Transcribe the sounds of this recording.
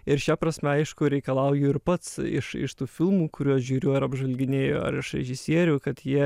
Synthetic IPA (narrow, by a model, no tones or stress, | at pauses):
ɪɾʃʲæpɾɐsʲmʲɛɐɪʃkʊɾʲɛɪkɐlˠɐʊjʊɪɾpɐt̪sɪ̰ʃɪ̰ʃt̪uːfʲɪlˠmuːkʊɾʲuɔɐʃʒʲuːɾʲʊɐɾɐbʒʋɐlʲɡʲɪnʲeːjo̰ːɐ̰ɾɪʃɾʲɛ̰ʒʲɪsʲiɛɾʲuːkɐt̪jiɛ